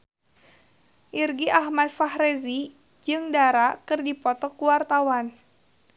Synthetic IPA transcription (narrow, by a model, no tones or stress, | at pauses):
ʔirɡiʔahmad̚fahrezi | d͡ʒɨŋdaɾakɨrdipɔt̪ɔkuwart̪awan